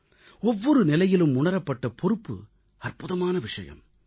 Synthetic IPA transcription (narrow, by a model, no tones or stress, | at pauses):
ɔʋːɔɾɯnɪlɐjɪlɯmʊɳɐɾɐpːɐʈːɐpɔɾɯpːɯ̰ | ɐrpʊðɐmaːnɐʋɪʂɐjɐ̰m